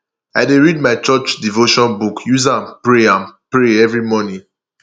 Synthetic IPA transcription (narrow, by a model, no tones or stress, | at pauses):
aɪdeɹid̚maɪt͡ʃɔt͡ʃdivoʃɔ̃nbukʰjuzãnpɹeãnpɹeɛvɹimɔnĩ